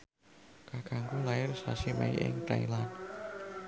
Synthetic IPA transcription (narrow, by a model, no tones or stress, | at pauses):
kakaŋkulaɪrsasimḛiʔɪ̰ŋt̪ajlan